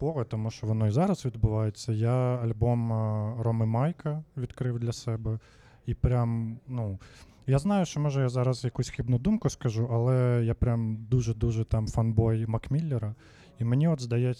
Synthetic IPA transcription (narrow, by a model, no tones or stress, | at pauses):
pɔɣɛt̪ɔmuʃt͡ʃɔʋɔnɔizɑɾɐzʋʲid̪bʊʋɑjet͡sʲːɐjaɐlʲbɔmrɔmɪmɑjkɐʋʲid̪kɾɪwd̪lʲɐsɛbɛ | ipɾʲamnu | jaznɑjʊʃt͡ʃɔmɔʒɛjazɑɾɐzjɐkusʲxibnʊd̪umkʊskɐʒuʔɐlˠɛjapɾʲamd̪uʒɛd̪uʒɛt̪ɑmfɐnbɔjmɐkmʲilʲːɛɾɐ | imenʲiɔd̪zd̪ɐjɛ